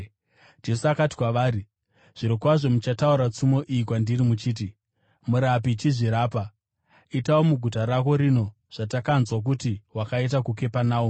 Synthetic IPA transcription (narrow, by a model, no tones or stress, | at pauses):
d͡ʒe̞suakati̥kwaʋaːɾi | ʐ̥iɾokwaʐo̞mut͡ʃatauɾat͡sumo̞ʔijikwandirimut͡ʃiːt̬i | muɾapit͡ʃiʐiɾaːpa | itaomuɡʱutaɾako̞ɾino̞ | ʐ̥atakanzwak̬utiwakait̬akuke̞panaːu